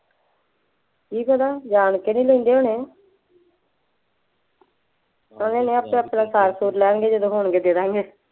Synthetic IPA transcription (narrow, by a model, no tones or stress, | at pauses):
kiːkəd̪aːd͡ʒaːnkenĩːləĩːnd̪eːɦoːnẽː | kə̃ːd̪eːnẽːapẽəpːnãːsaːɾsuːɾlɛːɳɡeːd͡ʒəd̪õːɦoːɳɡeːd̪eːd̪aːŋɡeː